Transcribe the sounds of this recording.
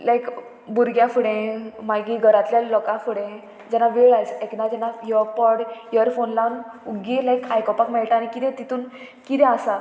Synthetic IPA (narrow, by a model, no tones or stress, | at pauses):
lajk | buɾɡjãfuɽẽmaɡiɡʱəɾat̪ljalɔkãfuɽẽ | d͡ʑɛnaʋeɭajseknad͡ʑɛnajɔpɔɽjəɾfonlanuɡĩlajkajkɔpakmɛɭʈaanikid̪ẽt̪it̪uːn | kid̪ɛ̃asa